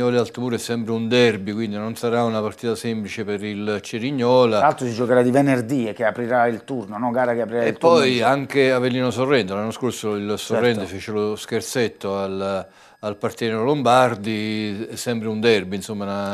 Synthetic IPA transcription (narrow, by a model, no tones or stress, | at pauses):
ɔːlealt̪umuːɾɛsːɛmpɾeund̪ɛrbikwind̪inonsaɾaunapart̪iːt̪asemplit͡ʃepɪɾilt͡ʃeɾiɲːɔːlaɾalt̪ɾosid͡ʒokeɾad̪ivenerd̪ikeapɾiɾailt̪urnonɔɡaːɾakeapɾiɾaelt̪ːɔjaŋk̟eavːelːiːnosorːɛnt̪elanːoskorsoilsorːɛnt̪efeːt͡ʃelosk̟ert̪set̪ːoal | alpart̪jɛnoalombard̪iɛsːɛmpɾeund̪ɛrbinsomːana